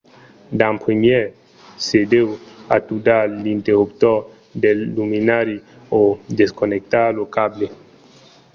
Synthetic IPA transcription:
d̪ãmpɾimjɛ | sed̪ewat̪ud̪alint̪eɾupt̪ɔ | d̪elːuminaɾi | od̪eskonek̚t̪alokable

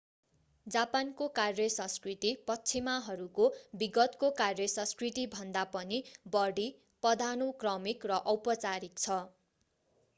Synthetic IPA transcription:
d͡zapankokarjʌsʌ̃skrit̪ipʌtːt͡sʰimaɦʌɾukobiɡʌt̪kokarjʌsʌ̃skrit̪ibʱʌnd̪apʌnibʌɽi | pʌd̪ʱanokrʌmikrʌʔʌwpʌt͡saɾik̚t͡sʰʌ

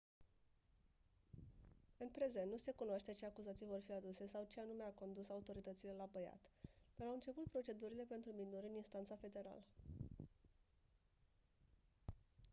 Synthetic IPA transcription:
ɨnpɾe̞ze̞nnnuse̞kunoaʃt̪e̞t͡ʃe̞akuzat̪sijvo̞rfiad̪use̞sawt͡ʃeanume̞ako̞nd̪usaut̪o̞ɾit̪ət̪sile̞labəja̰t̪d̪̥aɾawɨnt͡ʃe̞put̪̚pɾo̞t͡ʃe̞d̪uɾile̞pe̞nt̪ɾuminuɾɨninst̪ant̪safe̞d̪e̞ɾa̰lə

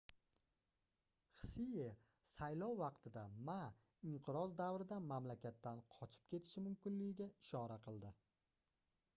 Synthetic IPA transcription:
χɨ̥sije | sajlˠɒwːɑqt̪ʰɪd̪ama | ɪɴqʰɨɾɒzd̪awɾɪd̪amamlakʲʰat̪ːanqʰɒt͡ʃʰɪ̥p̚kʲʰe̞t̪ʰɪ̥ʃɪmʊmkʲɪnlɪɡʲɪɡʲaɪʃɒɾaqʰɨlˠd̪ɪ

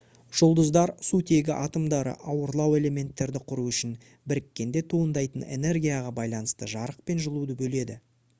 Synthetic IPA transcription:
ʒ̥olˠd̪əzd̪ɑɾsut̪ʰe̞ɡʲɪʔɑt̪əmd̪ɑɾə̰ʔɑwəɾlˠɑwe̞le̞me̞nt̪ːe̞ɾd̪ɪqʰʊɾuʏʃɪn | bɪɾɪkʲːe̞nd̪e̞t̪ʰuənd̪ɑjt̪əne̞̰ne̞rɡʲijaʁɑbɑjlˠɑnəst̪əʒɑɾəq̚pe̞nʒəlˠud̪əbɵle̞d̪ɪ

